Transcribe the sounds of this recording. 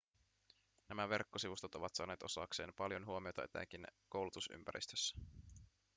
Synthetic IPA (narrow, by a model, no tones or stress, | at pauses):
næmæʋe̞rkːosiʋust̪ot̪o̞ʋɑt̪sɑːneːt̪o̞sɑ̰ːkse̞ːmpɑljo̞nɦuo̞mio̞t̪ɑḛt̪æ̰k̟inko̞wlut̪usy̰mpæ̰ɾʔḭst̪øsːæ̥